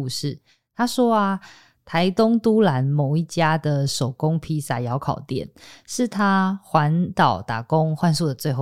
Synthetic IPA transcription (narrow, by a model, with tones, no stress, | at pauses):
u˥˧ʂɻ̩˥˩ | t̪ʰa˥ʂwɔ˥a˨ | t̪ʰa˨˦ɪt̪ʊ˥ŋt̪u˥la˧˦nmo˨˩ʊi˥˩t͡ɕja˥d̪ə˨ʂo˨˩ʊko˦ŋpʰi˧˥sa˨˩jɑ˧˦ʊkʰɑ˨˩ʊt̪jɛ̰˨˩nʂɻ̩˥˨t̪ʰa˥xwa˧˦nt̪ɑ˨˩ʊt̪a̰˨˩ko˦ŋxwa˥˧nsu˥˨d̪ə˩t͡swe˥˧ɪxo˥˩